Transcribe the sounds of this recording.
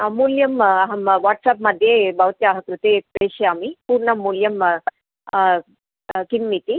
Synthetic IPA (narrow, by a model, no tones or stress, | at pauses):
muljɐmɦɐmʋaʈsapmɐd̪ʱːjebʱɐʋt̪jaɦɐkɾut̪eːk̚pɐjɕeamipuɾɳɐmuljɐm | kimːit̪i